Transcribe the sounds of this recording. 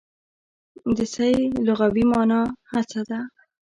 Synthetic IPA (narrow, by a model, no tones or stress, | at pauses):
d̪əsajlʊɣawimɑnɑhat͡sad̪a